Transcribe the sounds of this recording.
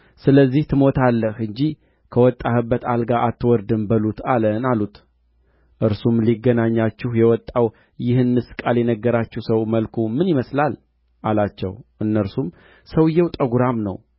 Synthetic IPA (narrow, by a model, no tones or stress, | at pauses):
sɨləzːiht̪ʰɨmo̞t̪ʰalːəhɨɲd͡ʒi | kʰəwɔt̪ʼːahɨbːət̪alɡaʔat̪ːɨwɔɾd̪ɨnbəlut̪ʰalənalut̪ | ʔɨɾsumliɡːənaɲːat͡ʃːɪhjɛwɔt̪ʼːaw | jɪhɨnːɨskʼaljɛnəɡːəɾat͡ʃːɪhsəwməlkʰumɨnjiməslal | ʔalat͡ʃːɛ̰wʔɨnːəɾsum | səwjɛwt̪ʼəɡuɾamnə̰w